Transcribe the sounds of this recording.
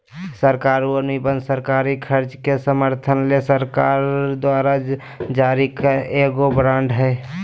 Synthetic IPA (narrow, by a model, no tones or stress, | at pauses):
səɾkaːɾuənibənd̪səɾkaːɾikʰəɾt͡ʃkesəməɾt̪ʰənlesəɾkaːɾd̪waːɾa | d͡ʒaːɾikaeɡobɾãːɳɖɦɛ